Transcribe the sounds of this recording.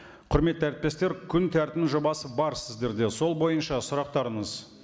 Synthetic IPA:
qʰʊɾme̞t̪ːæɾɪt̪̚pe̞st̪e̞ɾkʲʰʏnt̪ʰæɾt̪ɪmʒo̞bɑsəbɑɾsɪzd̪e̞ɾd̪e̞so̞lˠbo̞jənʃɑsʊɾɑq̚t̪ɑɾəɴəz

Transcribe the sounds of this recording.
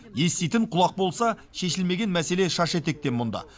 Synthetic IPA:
je̞st̪ejt̪ɪɴqʰʊlˠɑq̚bo̞lˠsɑ | ʃe̞ʃɪlme̞ɡʲe̞nmæse̞le̞ʃɑʃe̞t̪e̞k̚t̪e̞nmʊnd̪ɑ̰

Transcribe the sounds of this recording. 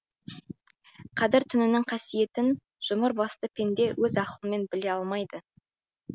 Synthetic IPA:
qʰɑd̪ɪɾt̪ʰʏnɪnɪŋqʰɑsije̞t̪ɪn | ʒ̥ʊməɾbɑst̪əpʰe̞nd̪e̞wɵzɑqəlˠəme̞nbɪle̞ɑlˠmɑjd̪ə

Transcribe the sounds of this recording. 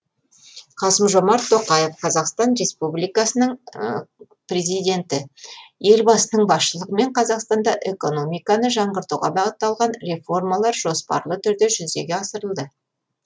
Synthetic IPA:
qʰɑsəmʒo̞mɑɾt̪ʰːo̞qɑjefqʰɑzɑqst̪ɑnre̞spublijkɑsənəɴ | prʲe̞zijd̪e̞nt̪ɪje̞lbɑsənəɴbɑsʃəlˠəʁəme̞ɴqʰɑzɑqst̪ɑnd̪ɑʔe̞ko̞no̞mijkɑnəʒɑɴʁəɾt̪uwʁɑ̰bɑʁət̪ːɑlˠʁɑnre̞fo̞rmɑlˠɑɾʒo̞spɑ̰ɾlˠət̪ʰʏɾd̪e̞ʒʏzd̪e̞ɡʲeɑsəɾəlˠd̪ə

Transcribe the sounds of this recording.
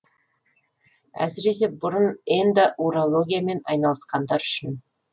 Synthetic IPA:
æ̰sɪɾe̞s̬e̞bʊɾənend̪ɪʔuɾolˠo̞ɡʲijame̞nɑjnɑlˠəsqɑnd̪ɑɾʏʃɪn

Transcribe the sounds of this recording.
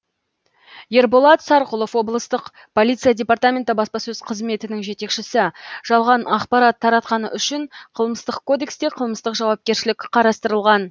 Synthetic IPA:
je̞ɾbolˠɑt̪sɑɾqʊlˠo̞fwo̞blˠəst̪əq | pʰolijt̪sɨjadʲe̞pɑrt̪amʲe̞nt̪ɪbɑspɑsɵzqʰəzme̞t̪ɪnɪŋʒe̞t̪e̞kʃɪsɪʒ̥ɑlˠʁɑnɑqpɑɾɑt̪ʰːɑɾɑt̪qɑnə̰ʔʏʃɪɴqʰəlˠməst̪əqkʰːo̞d̪e̞kst̪e̞qʰəlˠməst̪əqʒɑwɑp̚kʲe̞ɾʃɪlɪkʲqʰɑɾɑst̪əɾəlˠʁɑn

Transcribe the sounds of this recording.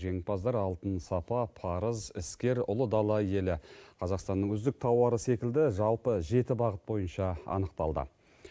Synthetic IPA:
ʒe̞ŋɪpɑzd̪ɑɾɑlˠt̪ənsɑpɑpʰɑɾəzɪskʲe̞ɾʊ̰lˠəd̪ɑlˠɑje̞lɪqʰɑzɑqst̪ɑnːəɴɵzd̪ɪk̚t̪ʰɑwɑɾəse̞kʲɪld̪ɪʒɑlˠpəʒe̞t̪ɪbɑʁət̪̚bo̞jənʃɑɑ̰nəqt̪ɑlˠd̪ə̰

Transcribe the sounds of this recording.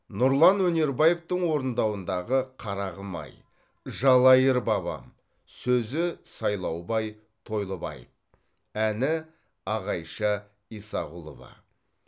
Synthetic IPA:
nʊɾlˠɑnwɵne̞ɾbɑje̞ft̪əɴwo̞ɾənd̪ɑwənd̪ɑʁəqʰɑɾɑʁəmɑ̰j | ʒɑlˠɑjəɾbɑβɑ̰m | sɵzɪsɑjlˠɑwbɑj | t̪ʰo̞jlˠəbɑ̰jə̰f | ænɪ | ɑʁɑjʃɑ | isɑʁulˠo̰vɑ̰

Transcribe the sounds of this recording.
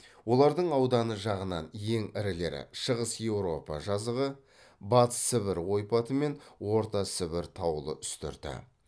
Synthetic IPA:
wo̞lˠɑɾd̪əɴɑwd̪ɑnəʒɑʁənɑnje̞ŋɪɾɪle̞̰ɾɪ̰ʃəʁəsje̞wɾo̞pɑʒɑzəʁə | bɑt̪sɪβɪɾo̞jpɑt̪əme̞nwo̞ɾt̪ɑsɪβɪɾt̪ʰɑwəlˠə̰ʔʏ̥st̪ɪ̰ɾd̪̥ɪ̰

